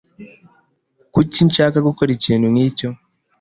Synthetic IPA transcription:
kucint͡ʃakaɡukoɾiciːnuŋiːco

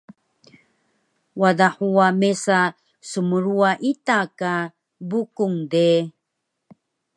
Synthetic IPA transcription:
wadaħuamesa | sumuɾuaʔitaka | bukuŋde

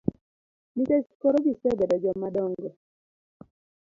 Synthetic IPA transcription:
miteskɔɾɔɡisɛbɛdɔd͡ʒɔmːadɔŋɡɔ

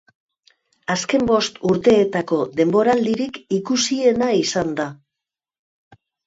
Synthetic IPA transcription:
aske̞mbo̞st̪uɾt̪e̞ːt̪ako̞ðe̞mbo̞ɾald̪iɾikikusie̞naisand̪a

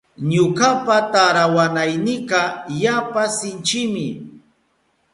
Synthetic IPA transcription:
ɲʊkapat̪aɾawanajnɪqɑjapasɪnt͡ʃɪmɪ

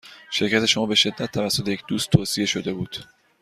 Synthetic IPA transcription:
ʃe̞ɾcæt̪ʰe̞ʃomɒːbe̞ʃe̞d̪ːæt̪̚ʰːævæsːo̞t̪ʰejec̚ʰd̪uːst̪ʰːoːsie̞ʃo̞d̪e̞buːd̪̥

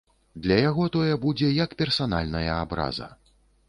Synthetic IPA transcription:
d̪lʲɐjaɣɔt̪ɔjɛbud͡zʲɛjɐkpʲɛrsana̰lʲnɐjɐabɾa̰zɐ̰

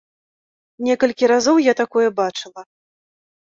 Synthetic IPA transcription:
nʲɛkɐlʲkʲiɾazowjat̪akɔjɛbat͡ʂɨlˠɐ

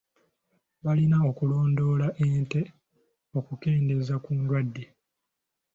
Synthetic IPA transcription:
βalinao̞kulo̞ːndo̞ːlaʔe̞ːnte̞ | o̞kuke̞ːnde̞zakuːndwadːe

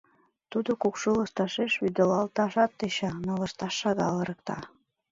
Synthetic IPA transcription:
t̪ud̪okukʃulɤ̆st̪ɑʃeʃyd̪olɑlt̪ɑʃɑt̪̚ːeɕɑnolɤ̆st̪ɑʃːɑɣɑlɤ̆ɾɤ̆kt̪ɑ̰

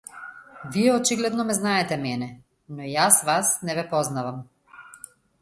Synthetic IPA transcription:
viɛɔt͡ʃiɡlɛd̪nɔmɛznaɛt̪ɛmɛnɛ | nɔjasvasnɛvɛpɔznavam

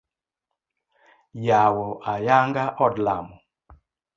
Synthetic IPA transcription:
jawɔʔajaŋɡaʔɔdla̰mʊ

